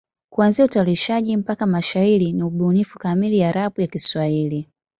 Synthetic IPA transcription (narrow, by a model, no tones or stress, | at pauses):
kuanziautauliʃaʄim̩pakamaʃaiɾiniuɓunifukamilijaɾapujakiswahili